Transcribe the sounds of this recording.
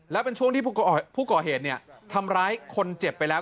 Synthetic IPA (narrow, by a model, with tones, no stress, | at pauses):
lɛ˦˥wpe˧nt͡ɕʰu˥˩əŋt̪ʰiː˥˩˥pʰuː˥˩kɔː˨˩ɦeː˨˩t̪̚ni˥˩ɐt̪ʰa˧mɾaː˦˥jkʰo˧nt͡ɕe˨˩pːa˧jlɛː˦˥